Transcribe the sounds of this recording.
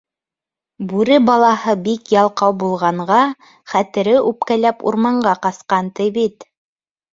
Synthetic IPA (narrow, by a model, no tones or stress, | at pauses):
bʉɾɘbɑlˠɑhɤbikjɑlˠqɑwbulˠʁɑɴɢɑ | χæt̪ɘ̆ɾɘʔʉp̚kælæpṵɾmɑɴɢɑqɑsqɑnt̪ɤjβit̪